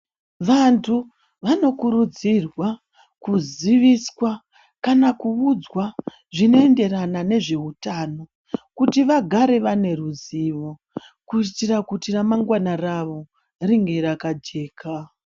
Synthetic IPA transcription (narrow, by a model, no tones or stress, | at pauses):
ʋantʰu | ʋano̞kuɾud͡zirwa | kuziʋiswa | kanakuud͡zwa | ʐino̞e̞nde̞ranane̞ʐe̞utaːno̞ | kutiʋaɡʱaɾe̞ʋane̞ruziʋo̞ | kuitirakutiramaŋɡwanaraʋo̞ | riŋɡe̞ɾakad͡ʒe̞ːkʰa